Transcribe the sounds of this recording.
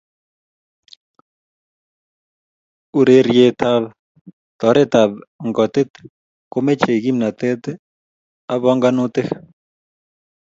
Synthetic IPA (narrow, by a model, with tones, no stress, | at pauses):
u˨ɾe˦ɾje˧t̪a˦β | t̪ɔ˨ɾe˦t̪a˨bŋɡɔ˨t̪e˦t̪ | ko˦me˦t͡ʃe˨ɡi˦mna˨t̪e˦t̪e˦ | a˦βɔ˦ŋɡa˦nũ˦t̪e˦x